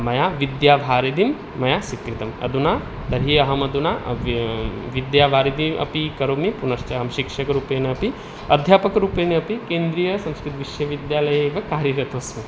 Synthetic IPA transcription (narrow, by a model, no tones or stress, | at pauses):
mɐjaʋid̪jaːʋʱaːɾid̪imː | ɐjasikɾit̪ɐmɐ̰d̪unaː | t̪ɐɾɦiɐɦɐmɐd̪unaː | ʋid̪jaːbʱaːɾid̪iʔɐ̰pikɐɾomipunɐɾt͡ʃɐɐɦɐmʃikʂɐkɐɾuːpeːnɐɐpi | ɐd̪ʱjaːpɐkɐɾuːpenɐɐpikeːnd̪ɾijɐsɐ̃mskɾit̪ʋiʃjɐʋid̪jaːlɐjɐeːʋɐkaːɾjɐɾjɐt̪oːsmi